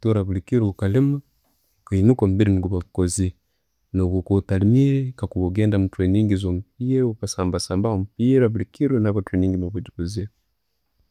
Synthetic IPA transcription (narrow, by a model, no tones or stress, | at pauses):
toɾaβulikiɾuukalima | kainukombiɾiniɡuβaβukozi | noβukotalimiɾekakuβoɡeːndamutweɲiːŋɡizomupiːɾukasaːmbasaːmbahomupiɾaβulikiɾunaβateɲiːŋɡimoβuɟikuzi